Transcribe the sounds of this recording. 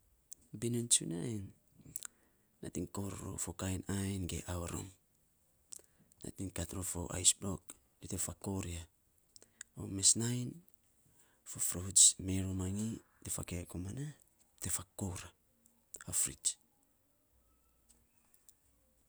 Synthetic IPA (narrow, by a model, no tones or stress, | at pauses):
binunt͡ʃunajn | atiŋkoɾɾo̰fokajnajnɡḛʔawaɾo̰m | na̰tiŋkatɾofo̞̰ʔa̰jsbɾok̚ | ditefakoɾia | o̰mesnajn | fofɾot͡ʃmeɾomaŋi | defa̰kekomana | tefakoɾa | afɾit͡ʃ